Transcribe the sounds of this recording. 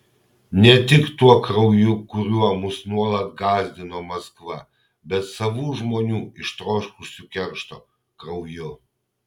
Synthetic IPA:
nʲɛt̪ʲɪkt̪uɔkɾɐʊjʊkʊɾʲuɔmʊsnuɔlˠɐt̪̚ɡɑːzʲd̪ʲɪnoːmɐskʋɐ̰ | bʲɛt̪sɐʋuːʒmoːnʲuːɪʃt̪ɾoːʃkʊʃsʲʊkʲɛɾʃt̪o̰ː | kɾɐʊjʊ

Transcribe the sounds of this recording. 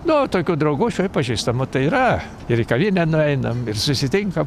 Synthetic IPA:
nʊoːt̪oːkʲuːd̪ɾɐʊɡuːʃʲuɪpɐʒʲiːst̪ɐmʊt̪ɐɪiɾɐ | ɪɾikɐʋʲiːnʲɛnʊɛɪnɐmɪrsʊsʲɪt̪ʲɪŋkɐm

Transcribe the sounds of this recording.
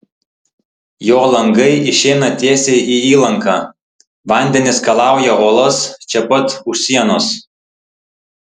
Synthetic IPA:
joːlˠɐŋɡɐɪʔɪʃʲɛɪnɐt̪ʲeɛsʲeːʔiiːlˠɐŋkɑː | ʋɐˑnʲd̪ʲɛnʲɪskɐlˠɑˑʊjɛʔoːlˠɐst͡ʃʲɛpɐt̪ʊʃʲsʲiɛnoːs

